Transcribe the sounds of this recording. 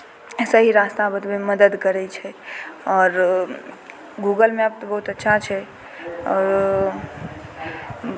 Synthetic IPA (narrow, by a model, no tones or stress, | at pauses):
esəɦiɾast̪abət̪beməd̪əd̪kəɾɛt͡ʃʰɛɔːɾ | ɡuɡəlmeəb̚t̪bəɦut̪ətːʃʰat͡ʃʰɛ | ɔɾ